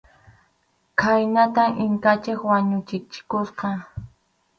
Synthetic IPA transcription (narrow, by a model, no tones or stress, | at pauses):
kʰajnat̪amʔɪŋkat͡ʃɪkwaɲʊt͡ʃɪt͡ʃɪ̥kosqɑ